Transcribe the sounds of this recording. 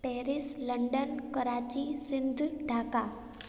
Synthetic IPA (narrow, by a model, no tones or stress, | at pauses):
pɛɾisləɳɖənkəɾat͡ʃisɪnd̪ʱɖʱaka